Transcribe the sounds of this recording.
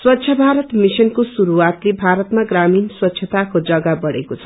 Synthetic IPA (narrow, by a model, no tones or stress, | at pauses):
swʌtːsʰjʌbʱaɾʌt̪misʌnkosuɾuat̪lebʱaɾʌt̪maɡraminswʌtːɕʰjʌt̪akod͡zʌɡabʌɽḛkot͡sʰʌ̥